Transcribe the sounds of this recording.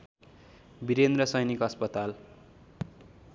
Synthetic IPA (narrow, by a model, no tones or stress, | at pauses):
biɾend̪rʌsʌjnikʌspʌt̪al